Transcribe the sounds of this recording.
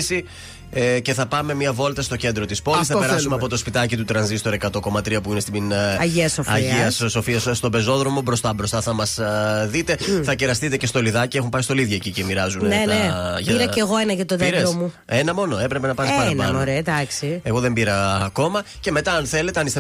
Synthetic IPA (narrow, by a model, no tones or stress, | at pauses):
si | ece̞θɐpɐme̞miɐvo̞lt̪ɐst̪o̞ce̞nd̪ɾo̞t̪ispo̞lis̬θɐpeɾɐsuumeɐpo̞t̪o̞spit̪ɐcit̪ut̪ɾɐnzist̪o̞ɾe̞kɐt̪o̞ko̞mɐt̪ɾiɐpuinest̪inɐiɐsoɐiʝiɐsso̞fiɐsst̪o̞be̞zo̞ðɾo̞mo̞bɾo̞st̪ɐbɾo̞st̪ɐθɐmɐsðit̪e̞θɐceɾɐst̪it̪e̞ce̞st̪o̞liðɐcie̞xumpɐist̪o̞liðʝɐecice̞miɾɐzunneneʝɐiɾɐceɣoenɐʝɐt̪oðeɾeɾosmu | enɐmo̞no̞e̞pɾe̞pe̞nɐpɐɾssɐɐɐɾed̪ɐksie̞ɣo̞ðembiɾɐːko̞mɐ | ce̞me̞t̪ɐɐnθe̞le̞t̪eɐnist̪e